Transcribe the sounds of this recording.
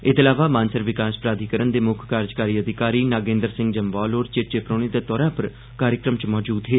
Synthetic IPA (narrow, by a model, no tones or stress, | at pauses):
ɪt̪əlaːʋaːmãːnsəɾʋɪkaːspɾaːd̪ʱiːkəɾənd̪eːmʊkʰkaːɾd͡ʒkaːɾiːəd̪ʱɪkaːɾiːnaːɡẽːnd̪əɾsɪ̃ŋɡd͡ʒəmʋaːloːɾt͡ʃeʈt͡ʃeːpɾoːɽ̃id̪aːt̪ɔːɾãːpəɾ | kaːɾjəkɾəmt͡ʃmɔːd͡ʒuːd̪ɦeː